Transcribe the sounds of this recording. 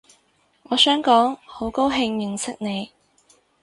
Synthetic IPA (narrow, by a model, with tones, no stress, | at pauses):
ŋɔː˨˧sœː˨˥ŋkɔː˨˥ŋho˨˥wko˥wɦɪ˧ŋjɪ˨ŋsɪ˥k̚ne˨˧j